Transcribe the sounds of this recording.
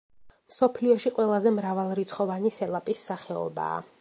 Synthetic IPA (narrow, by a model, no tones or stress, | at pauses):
msɔpʰliɔʃiqʼwɛlˠazɛmɾavalˠɾit̪sʰχɔvanisɛlˠapʼisːaχɛɔ̰ba̰ː